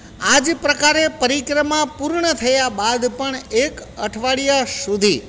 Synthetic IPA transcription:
ad͡ʒpɾəkaɾepəɾikɾəmapuɾɳət̪ʰəjabad̪pəɳekəʈʰʋaɭijasud̪ʱi

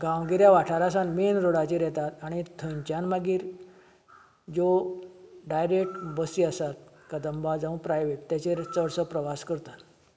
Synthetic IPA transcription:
ɡãwɡiɾjaʋaʈʰaɾasãnmenɾoɽat͡ɕiɾɛt̪at̪aɽ̃it̪ʰəɲt͡ɕanmaɡiːɾ | d͡ʑo | ɖajɾekʈbəsiasat̪̚ | kəd̪əmbad͡zə̃wpɾajʋeʈt̪ːjat͡ɕeɾt͡səɽsəpɾəʋaskəɾt̪at̪

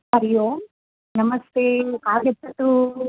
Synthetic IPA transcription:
ɐɾijoː | nɐmɐst̪eːkaːlɡep̪ːɐt̪ːu

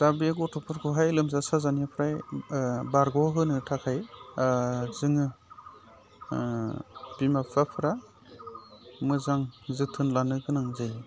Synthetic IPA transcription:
d̥abek̬ɔtʰɔpʰɯɾkʰɔɦajlɯmzasazaniapʰɾaj | baɾɡɔɦɯnɯtʰakʰaj | zɯŋɯ | b̥imapʰapʰɯɾa | mɯzaŋzɯtʰɯnlanɯɡɯnaŋzaj

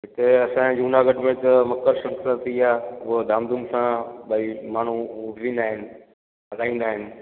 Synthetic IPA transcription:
ɦɪt̪eɐsãd͡ʑuːnaːɡɐʈmẽt̪əmɐkːəɾʃɐ̃ŋkəɾt̪iaːod̪ʱaːmd̪umsãɓɐimaːɳ̤uʊbʱʋĩːn̆d̪aːɦɪnɪ̆ | ɐlaːĩːn̆d̪aːɦɪnɪ̆

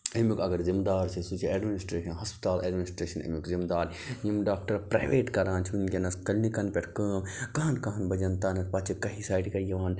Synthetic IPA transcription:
ɐmukɐɡɐɾzimd̪aːɾsʰisut͡ʃʰieːɖminisʈɾeːʃɐnɦɐspt̪aːlʔḛːɖminisʈɾeːʃɐnɐ̰mukzimd̪aːɾ | jimɖaːk̚ʈɐɾpɾa̰ːjʋeːʈkɐɾãːnt͡ʃʰʋunkʲenɐskɐlnikɐnpʲeʈʰkɐːmkaːɐnkɐɦɐnbɐd͡ʒɐnt̪aːnɐɾpɐt͡ʃʰikɐɦisaːjɖkɐjɐʋaːn

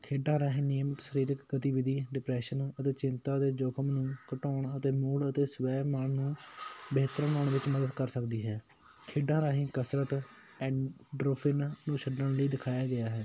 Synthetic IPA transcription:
kʰeːɖãːɾaːɦĩːneːmət̪ʃəɾiːɾəkɡət̪iːʋɪd̪iːɖɪpɾɛːʃənət̪eːt͡ʃɪnt̪aːd̪eːd͡ʒoːkʰəmnũːkəʈoːɳət̪eːmʊɽət̪eːsʋɛːməɳnũːbeɦt̪əɾəməɳʋɪt͡ʃməd̪əd̪kəɾsəkd̪iːɦɛː | kʰeːɖãːɾaːɦĩːkəsɾət̪ | ɛ̃ːɖɾoːpʰɪnnũːʃʰəɖəɳləiːd̪ɪkʰaːjaːɡɪjaːɦɛː

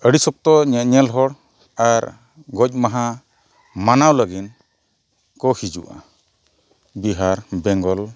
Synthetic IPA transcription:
əɽisɔk̚t̪ɔɲaʔɲɛlɦɔɽ | aɾ | ɡɔc̚ˀmaɦa | manawləɡin | kɔhid͡ʒṵʔa̰ | biɦaɾbɛŋɡɔl

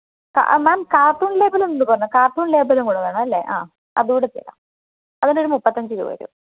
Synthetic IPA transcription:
ka̰maːmkaːʈːuːɳle̞ːbɐlumenːɨpɐrɐɲːkaːrʈːuːɳle̞ːbɐlumkuɽuðɐːɳɐɐlːḛʔa̰ː | ɐ̰ðuuɽet̪ːiɐ̰la̰m | ɐðinoɾumupːɐt̪ːɐɲd͡ʑɨɾṵʋɐ̰ɾṵ

